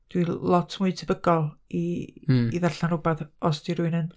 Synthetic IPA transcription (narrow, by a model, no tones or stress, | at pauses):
d̥wilɔtʰmʊɨtʰəbəɡɔlˠiː | ðarɬanʊbaθɔsd̥iɾuɨnən